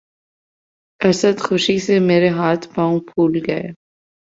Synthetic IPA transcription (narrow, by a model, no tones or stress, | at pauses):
ɛsəd̪xʊʃisemeːɾeɦaːt̪ʰpãːũpʰuːlɡɐe